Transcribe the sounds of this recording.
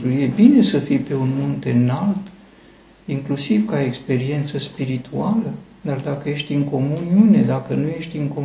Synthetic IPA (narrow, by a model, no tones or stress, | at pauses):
uje̞bine̞səfijpe̞unmunt̪enalt̪ | iŋklusivkaekspe̞ɾie̞nt̪səspiɾit̪ʰualə | d̪ard̪akəje̞ʃt̪ʲɨŋko̞muniune̞d̪akənuje̞ʃt̪ʲɨŋko